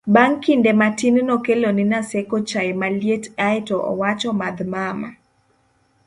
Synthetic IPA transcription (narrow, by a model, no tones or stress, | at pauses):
baŋkindematinnɔkeloninasekot͡ʃamaljetajtɔʔɔ̰wat͡ʃɔmad̪mama̰